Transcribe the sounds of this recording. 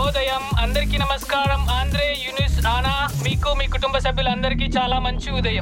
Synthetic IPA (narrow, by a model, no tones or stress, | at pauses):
oːd̪ɐjɐmɐnd̪ɐɾkinɐmɐskaːɾɐmaːnd̪ɪɾeːjunisaːnaːmiːkːumikʊʈʊmbɐsɐbɪlɐnd̪ɐɾkit͡ʃaːlaːmɐɲt͡ʃuuðɐjɐm